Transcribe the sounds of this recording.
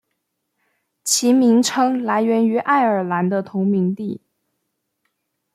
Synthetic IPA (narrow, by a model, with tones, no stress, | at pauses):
t͡ɕʰi˧˥mi˧˥ŋʈ͡ʂʰɤ˥ŋla˧˥ɪɥɛ˧˥ny˧˥ʔa˥˩ɪə˞˨˩la˧˥nd̪ə˧t̪ʰʊ˧˥ŋmi˧˥ŋt̪i˥˩